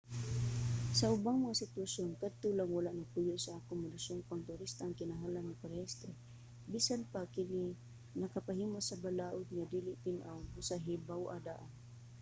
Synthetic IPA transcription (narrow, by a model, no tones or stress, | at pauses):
saʔʊbaŋmɐŋasɪt̪wasjonkad̪̚t̪ʊlaŋwalaʔnaɡ̚pʊjʊʔsaakʊmːʊd̪asoŋpaŋt̪ʊɾist̪aːŋkɪnaɦalanːɪpaɾɛst̪ɾɛ | bisanpakɪni | nɐkapaɦiːmasɐbalaːʔʊd̪̚ŋad̪iːlɪʔp̪ɪnʔawmʊsaɦibawʔad̪aʔan